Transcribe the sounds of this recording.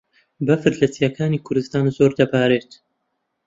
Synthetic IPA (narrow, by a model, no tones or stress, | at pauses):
bɐfɨɾlɐt͡sijɐkʰaːniːkʰʊɾd̪ɨst̪aːnzoːɾd̪ɐbaːɾeːt̪